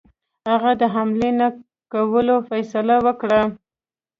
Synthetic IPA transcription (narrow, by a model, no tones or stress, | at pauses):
haɣad̪əɦamlena | kawəlofajsalawəkɽa